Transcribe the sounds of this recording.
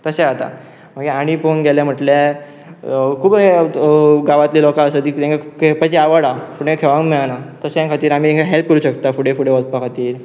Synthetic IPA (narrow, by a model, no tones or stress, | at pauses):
t̪əsẽat̪a̰ | m̤əɡeaɽ̃iponɡɛljam̤əʈle | kʰuːbɦe | ɡaʋat̪lilɔkaəsət̪iːt̪ẽŋkakʰepəd͡ʑiaʋəɽapuɳnẽkʰeʋãŋɡmiɭanat̪əseẽkʰat̪iːɾam̤iẽŋkʰaɦelp̚kəɾuɕəkt̪afuɽefuɽeʋɔd̪̚pakʰat̪iːɾ